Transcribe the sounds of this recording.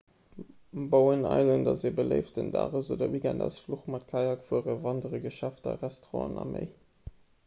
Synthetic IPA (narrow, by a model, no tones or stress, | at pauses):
boʊənɑ̰ɪzəndɑziːbələɪftdənda̰ːʁəzoːdɐwiɡændɑ̰ʊsfluχmɑt̚kʰɑjɑkfuəʁəvɑndəʁəɡəʃæftɐ̰ʁæstʁɑ̰̃nɑ̰mʔḛɪ